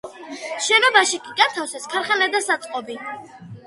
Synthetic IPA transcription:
ʃɛnɔbaʃikʼiɡat̪ʰafsɛskʰaɾχɛnɛd̪asat̪sʼqʼɔbi

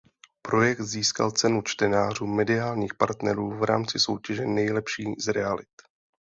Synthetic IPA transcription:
pɾo̞jɛk̚t̪ziːska̰lt͡sɛnut͡ʃt̪ɛnaːr̝uːmɛdɪaːlɲiːxpaɾt̪nɛɾuːvɾa̰ːmt͡sɪso̞wcɛʒɛnɛjlɛpʃiːzɾɛalɪt̪

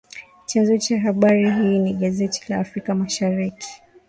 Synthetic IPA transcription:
t͡ʃanzɔt͡ʃaɦaɓaɾiɦiːniɠazɛti̥laːfɾikamaʃaɾiki̥

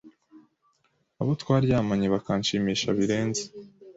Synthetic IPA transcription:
aβo̞twaːɾjaːmaɲeβakaɲʃiːmiːʃa̰βiɾe̞ːnze̥

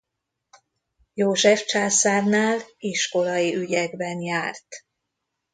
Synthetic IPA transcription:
joːʒɛft͡ʃaːsaːrnaːliʃko̞lɒjiʔyɟɛɡbɛnjaːrt̪

